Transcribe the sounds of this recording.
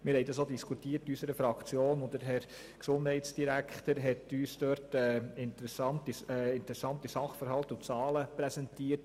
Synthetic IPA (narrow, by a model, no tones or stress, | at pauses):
mɪɾhɛɪdɑsodiskʰutiːərtysəɾəfɾɑkt͡sjoːnʊdəɾɦɛɾ | ksʊnd̥hɛɪtsd̥iɾækχtəɾɦɛtyːsd̥øɾtɛːɪntəɾɛsɑntisɛːɪntəɾɛsɑntisɑχfəɾɦɑltʊt͡sɑːləpɾɛsɛntiːəɾt